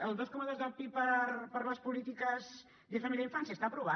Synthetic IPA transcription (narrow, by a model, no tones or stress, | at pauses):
əlˠd̪oskɔməðozðapipəɾpəɾləspulit̪ikəz | ðəfəmiliaiɱfansjəst̪apɾuβ̞a